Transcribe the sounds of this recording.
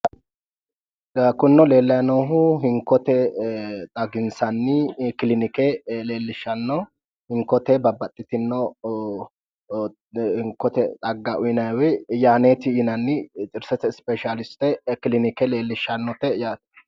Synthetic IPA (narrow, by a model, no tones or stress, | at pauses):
ɐkʊnːɔle̞ːlːɐjnoːɦʊɦɪŋkɔt̪ɛt̪ʼɐɡɪnsɐnːɪkɪlɪnɪkɛle̞ːlːɪʃːɐnːɔ | hɪŋkɔt̪ɛbɐbɐt̪ʼːɪt̪ɪnːɔ | hɪŋkɔt̪ɛt̪ʼɐɡːaʔʊjnɐwɛjaːneːt̪ɪɪnɐnːɪt͡ʃʼɪɾsɛt̪ɛspɛʃalɪst̪ɛkɪlɪnɪkɛle̞ːlːɪʃːɐnːɔt̪ɛjaːt̪